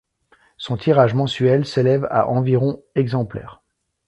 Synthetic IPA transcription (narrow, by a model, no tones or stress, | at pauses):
sɔ̃t̪ʰiʁaʒmɑ̃sɥɛlselɛva̰ʔɑ̃viʁɔ̃ɛɡzɑ̃plɛ̰ːʁ